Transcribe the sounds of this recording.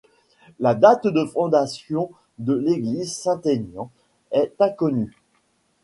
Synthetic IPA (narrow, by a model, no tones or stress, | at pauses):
lad̪at̪d̪əfɔ̃d̪asjɔ̃ | d̪əleɡlizsɛ̃t̪enjɑ̃ | ɛt̪ɛ̃kɔny